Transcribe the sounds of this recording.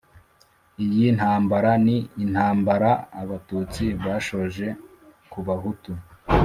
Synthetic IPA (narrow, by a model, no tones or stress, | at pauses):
ijin̥haːmbaɾaniːn̥haːmbaɾaːβatuːt͡siβaːʃo̞ʒe̞ | kuβaɦutu